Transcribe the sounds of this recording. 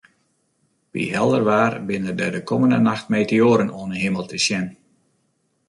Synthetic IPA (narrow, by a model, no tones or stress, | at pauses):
ʋḭɦɛlˠdərʋaːrbɪnərdədəkʰɔməndənaxtmeːtəoːɾənoənəɦeməlˠtʰəsjɛn